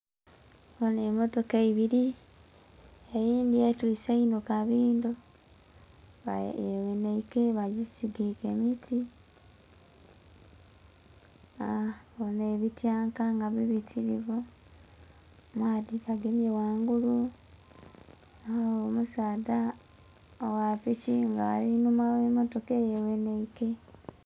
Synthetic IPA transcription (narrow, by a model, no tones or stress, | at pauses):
onemotokaiβiɾi | ejiːndietwiːseinokaβiːndo | eβeneikeβaɟisiɡikemitʰi | aβoneβitjaːŋkaŋɡaβiβitʰiɾiβu | mwaːdikaɡemjewaːŋɡulu | aomusaːda | owaficiŋɡaalinumaemotokejeweneike